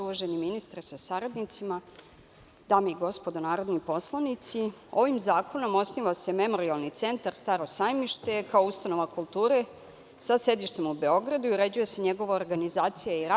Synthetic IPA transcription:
uʋaʒeniminist̪ɾesasaɾad̪nit̪sima | d̪̥aːmeiɡo̞spo̞d̪onaːɾo̞d̪nipo̞slˠanit̪sio̞ʋimzaːko̞no̞mo̞sniʋase̞me̞mo̞ɾialˠnit̪se̞nt̪aɾst̪aːɾo̞sajmiʃt̪e̞kaoust̪ano̞ʋakulˠt̪uːɾe̞ | sase̞d̪iʃt̪e̞mube̞o̞ɡɾad̪uiuɾe̞d͡ʑujese̞ɲe̞ɡo̞ʋaoɾɡanizaːt̪sijaiɾa

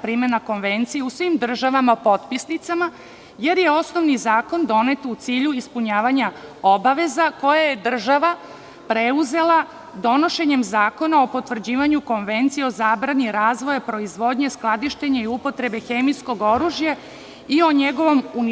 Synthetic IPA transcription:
pɾiːmenako̞nʋe̞nt̪sijeusʋimd̪r̩ʒaʋamaopo̞t̪pisnit̪sama | je̞ɾje̞o̞sno̞ʋnizaːko̞nd̪o̞ne̞t̪ut̪siːʎuispuɲaːʋaɲaobaʋe̞zako̞jaje̞d̪r̩ʒaʋa | pɾe̞uze̞lˠa | d̪o̞no̞ʃe̞ɲe̞mzaːko̞nao̞po̞t̪ʋr̩d͡ʑiːʋaɲuko̞nʋe̞nt̪siio̞zaːbɾaniɾaːzʋo̞japɾo̞izʋo̞d̪ɲe̞sklˠad̪iʃt̪eɲaiupo̞t̪ɾe̞be̞xe̞misko̞ɡo̞ɾuːʒja | io̞ɲe̞ɡo̞ʋo̞mun

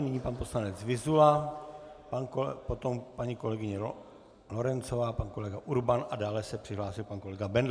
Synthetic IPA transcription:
nɪɲiːpanpo̞slanɛt͡svɪzula | pankpot̪o̞mpaɲiko̞lɛɡɪɲɛ | loɾɛnt͡sovaːpanko̞lɛɡaʔuɾbanʔadaːlɛsɛpr̥ɪɦlaːsɪlpanko̞lɛɡabɛnd

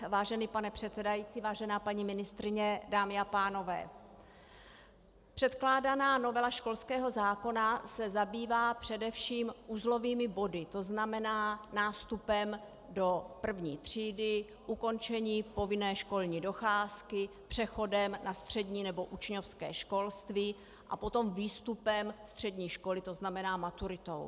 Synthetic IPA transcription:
vaːʒɛniːpanɛpr̝̥ɛt̪sɛdajiːtt͡siːvaːʒɛnaːpaɲimɪnɪst̪ɾɪɲɛdaːmɪapaːno̞vɛ̰ː | pr̝̥ɛt̪klaːdanaːno̞vɛlaʃko̞lskɛːɦo̞zaːko̞nasɛzabiːvaːpr̝̥ɛdɛfʃiːmʔuːzlo̞viːmɪbo̞dɪt̪o̞znamɛnaːnaːst̪upɛm | do̞pr̩vɲiːt̪r̝̥iːdɪ | ʔuko̞nt͡ʃɛɲiːpo̞vɪnɛːʃko̞lɲiːdo̞xaːskɪpr̝̥ɛxo̞dɛmnʔast̪r̝̥ɛdɲiːnɛbo̞ʔut͡ʃɲofskɛːʃko̞lst̪viː | ʔa̰po̞t̪o̞mviːst̪upɛmst̪r̝̥ɛdɲiːʃko̞lɪt̪oznamɛnaːmat̪uɾɪt̪o̞̰w

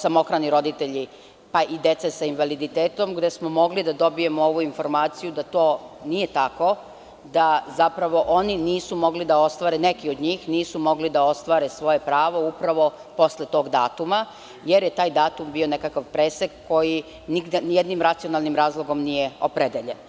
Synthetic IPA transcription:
samo̞xɾaniɾo̞d̪it̪e̞ʎi | paʔid̪et̪sesainʋalid̪it̪eːt̪o̞mɡd̪e̞smomo̞ɡlid̪ad̪o̞bije̞moo̞ʋuinfo̞ɾmaːt̪sijud̪at̪o̞ːnije̞t̪ako̞ | d̪azapɾaʋo̞ʔo̞niniːsumo̞ɡlid̪ao̞st̪ʋaːɾe̞ne̞kio̞d̪ɲiːxniːsumo̞ɡlid̪ao̞st̪ʋaːɾe̞sʋo̞je̞pɾaːʋo̞upɾaʋo̞ | po̞sle̞t̪o̞ːɡd̪a̰ːt̪uma | jeɾjet̪aːjd̪aːt̪umbio̞ne̞kakaʋpɾesekko̞ji | niɡd̪enjed̪nimɾat̪sio̞nalˠnimɾaːzlˠoɡo̞mnijeo̞pɾed̪eʎe̞n

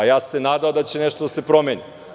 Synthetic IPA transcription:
ajasːɛnad̪ad̪at͡ɕɛnɛʃt̪od̪asɛpɾomɛɲi

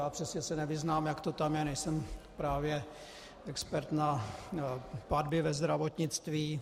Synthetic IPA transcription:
jaːpr̥ɛsɲɛsɛnɛvɪznaːmjakt̪ot̪amjɛnɛjsɛmpɾaːvjɛ | ɛkspɛɾt̪na | pad̪bɪvɛzd̪ɾavot̪ɲɪt͡st̪viː

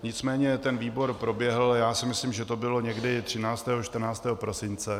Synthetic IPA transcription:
ɲɪt͡smɛːɲɛt̪ɛnviːbo̞ɾpɾo̞bjɛɦl̩jaːsɪmɪslimʒɛt̪o̞bɪlo̞ɲɛɡdɪt̪r̝̥ɪnaːt͡st̪ɛːɦoʃt̪r̩naːt͡st̪ɛːɦopɾo̞sɪnt͡sɛ

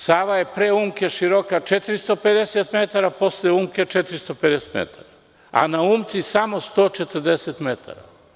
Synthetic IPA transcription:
saːʋaje̞pɾeːuːmke̞ʃiɾokat͡ʃet̪ɾist̪ope̞d̪eset̪met̪aɾapo̞sljeuːmket͡ʃet̪ɾist̪oped̪eset̪mḛt̪ʰa̰ɾa | a̰nauːmt̪sisamo̞st̪o̞ːt͡ʃe̞t̪əɾd̪eset̪met̪ʰa̰ɾa̰

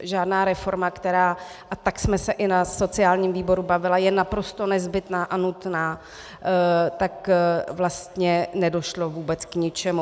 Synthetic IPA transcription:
ʒaːdnaːɾɛfo̞ɾmakt̪ɛɾaː | ʔat̪aksmɛsɛʔɪnaso̞t͡sɪaːlɲiːmviːbo̞ɾubavɪlajɛnapɾo̞st̪o̞nɛzbɪt̪naːʔanut̪naː | t̪akvlast̪ɲɛnɛdo̞ʃlo̞vuːbɛt͡skɲɪt͡ʃɛmu

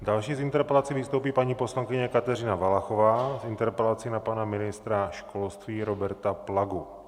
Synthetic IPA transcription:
dalʃiːzint̪ɛɾpɛlat͡sivist̪owpiːpaɲiːposlaŋkɪɲɛkat̪ɛɾɪnavalaxovaːzɪnt̪ɛɾpɛlat͡sinapanamɪnɪst̪ɾaʃkolst̪ʋiːɾobɛɾt̪aplaɡu

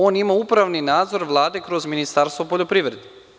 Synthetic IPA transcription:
oːnimaupɾaʋninaːd̪zo̞ɾʋlˠaːd̪e̞kɾo̞zminist̪aɾst̪ʋopo̞ʎopɾiʋɾe̞d̪e

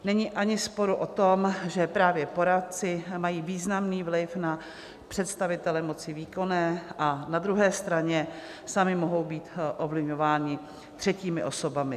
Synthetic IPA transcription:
nɛɲiːʔaɲɪspo̞ɾuʔo̞t̪omʒɛpɾaːvjɛpo̞ɾat̪̚t͡sɪmajiːviːznamniːvlɪfna | pr̥ɛt̪st̪avɪt̪ɛlɛmo̞t͡sɪviːko̞nɛːʔanad̪ɾuɦɛːst̪ɾaɲɛ | samɪmoɦo̞wbiːt̪ʔovlɪvɲo̞vaːɲɪ | t̪r̥ɛciːmɪʔo̞so̞bamɪ

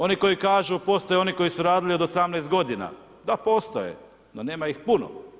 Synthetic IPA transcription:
o̞niko̞jikaːʒupo̞st̪o̞jeo̞niko̞jisuɾaːd̪ilio̞d̪osamnɛjst̪ɡo̞d̪ina̰ | d̪apoːst̪o̰jḛ | none̞ːmaixpuno̰

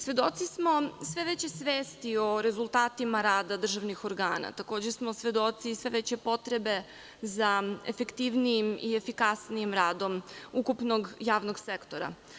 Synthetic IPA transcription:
sʋe̞d̪o̞t̪sismo̞sʋe̞ʋet͡ɕe̞sʋeːst̪io̞ɾe̞zulˠt̪aːt̪imaɾaːd̪ad̪r̩ʒaʋnixoɾɡaːna̰t̪ako̞ːd͡ʑesmo̞sʋe̞d̪o̞t̪sisʋeʋet͡ɕe̞po̞t̪ɾe̞be̞ | zaḛfekt̪iʋnijimiefikasnijimɾaːd̪o̞mukupnoɡjaːʋnoɡsekt̪o̞ɾa̰

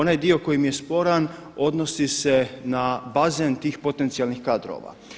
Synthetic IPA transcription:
onajd̪io̞ko̞jimje̞spo̞ɾan | o̞d̪no̞sise̞nabazent̪iːxpo̞t̪e̞nt̪sijalnixkaːd̪ɾo̰ːʋa̰

